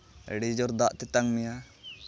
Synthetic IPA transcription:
ɛ̰ɽid͡ʒɔɾd̪aʔt̪ɛt̪aŋmija

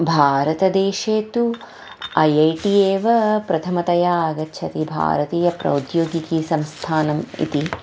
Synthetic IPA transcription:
bʱaːɾɐt̪ɐd̪eːʃeːt̪u | ɐjɐjʈijeːʋɐpɾɐt̪ʰɐmɐt̪ɐjaːɐɡɐtːʃʰɐt̪ibʱa̰ːɾɐt̪iːjɐpɾɐ̰ud̪joːɡikisɐmst̪ʰaːnɐmḭt̪i

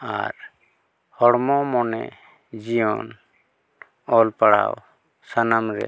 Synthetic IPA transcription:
aɾ | hɔɽmɔmɔnɛ̰ | d͡ʒijɔn | ɔlpaɽa̰w | sanamɾɛ̰

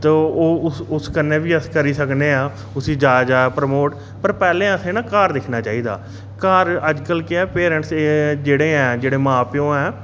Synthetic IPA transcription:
t̪ə̃ːoːʊsʊskəneːʋiːəskəɾiːsəkneːaː | ʊsĩːd͡ʒaːd͡ʒaːpɾəmoːʈ | pəɾpɛːlẽːəsẽːnãːkaːɾd̪ɪkʰnaːt͡ʃaːiːd̪a̰ː | kaːɾəd͡ʒkəlkɪɛːpeːɾə̃ɳʈsd͡ʒeːɽeːɛ̃ːd͡ʒeːɽeːmãːpɪjõːɛː

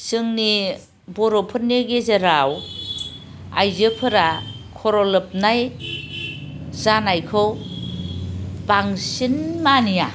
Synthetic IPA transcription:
sɯŋni | bɔɾopʰɯnːeɡezeɾaw | a̰jzɯpʰɯɾakʰɔɾɔlɯp̚naj | zanajkʰɯw | baŋsinmanija

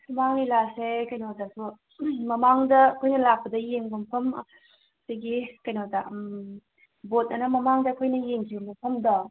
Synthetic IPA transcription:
sɐmaŋlilasekɐjnotasu | mɐmaŋdɐkʰojnɐlak̚pɐdɐjeŋbompʰɐm | sajɡikɐjnota | bot̚ɐnɐmɐmaŋdɐkʰojnɐjeŋkʰibɐmbɐpʰɐmdɔ

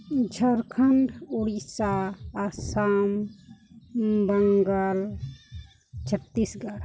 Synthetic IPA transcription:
d͡ʒʱəɾkʰəɳɖoɽisaːsam | bəŋɡəl | t͡ʃʰət̪ːisɡaɽ

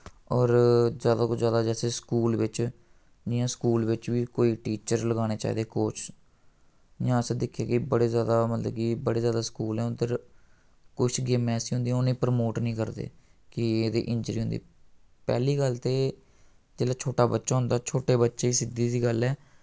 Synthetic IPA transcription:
ɔːɾzjaːd̪aːkʊt͡ʃʰzjaːd̪aːd͡ʒɛːseːskuːlʋɪt͡ʃ | d͡ʒɪjãːskuːlʋɪt͡ʃʋiːkoːiːʈiːt͡ʃəɾləɡaːñeːt͡ʃa̰ːḭːd̪eːkoːt͡ʃ | jãːsd̪ɪkʰːijaːkɪbəɽeːzjaːd̪aːmət̪ləkiːbəɽeːzjaːd̪aːskuːlɛːʊd̪əɾ | kʊit͡ʃɡeːmɛːsiːɦʊ̃nd̪iːoniːpəɾmoːʈnĩːkəɾd̪ḛːkɪeːd̪ḭːʔɪ̃ɲd͡ʒɾiːɦʊ̃nd̪ḭː | pɛ̰ːliːɡəlt̪eː | d͡ʒeːlaːt͡ʃʰoːʈaːbətːʃaːɦʊ̃nd̪aːt͡ʃʰoːʈeːbətːʃeːiːsɪd̪iːd̪iːɡəlɛː

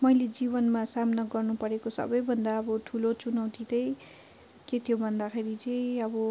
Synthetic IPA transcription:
mʌjled͡zibʌnmasamnʌɡʌrnupʌɾekosʌ̰bʌjbʱʌnd̪aʌbʌt̪ʰulot͡sunʌwt̪it̪ʌj | ket̪ʰijobʱʌnd̪axʰeɾit͡sʌjʌbʌ

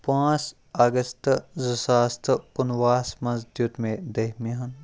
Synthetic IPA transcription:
pãːt͡s | aɡəst̪zəsaːst̪ʰkunʋaːsmɐzd̪jut̪mẽd̪eɦmeɦɐn

